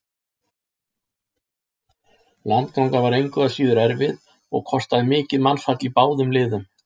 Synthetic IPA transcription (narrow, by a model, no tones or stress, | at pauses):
lant̪̚kawŋkavaɾejŋkʏɣasiːðʏɾɛɾvɪð | ɔ̰ɣkʰɔst̪aðɪmɪːcɪðmansfat̪lipaːwðʏmlɪːðʏm